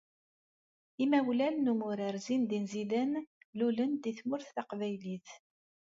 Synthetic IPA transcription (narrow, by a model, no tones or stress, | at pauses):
imæwlænːumʊɾəɾzind̪inzilənlulənd̪iθmʊɾθθaqvæjliθ